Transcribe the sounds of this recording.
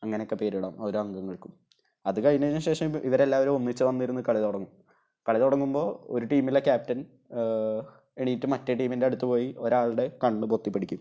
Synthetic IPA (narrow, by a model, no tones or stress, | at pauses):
ɐŋːɐneokːepe̞ːɾuɽɐ̰ːmo̞ɾuɐŋɡɐŋːɐɭkum | ɐðɨkɐɻinɐɲːɐmɕe̞ːʂɐmḭʋɐɾe̞lːaːʋɐɾumonːit͡ɕːɨʋɐnːijiɾunːɨkɐɭiðoɽɐŋːum | kɐɭiðoɽɐŋːumbo̞ːo̞̰ɾuʈiːmilːekʲaːp̚tɐn | eɳiːtːɨmɐtːeʈiːminde̞ɐɽut̪ːɨpo̞ːjiʔo̞ɾaːɭɽe̞kɐɳːɨpot̪ːipːeɽikʲːum